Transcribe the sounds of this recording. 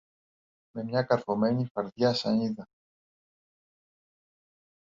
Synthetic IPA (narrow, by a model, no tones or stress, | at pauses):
me̞mɲɐkɐɾfomeɲifɐɾðjasɐniðɐ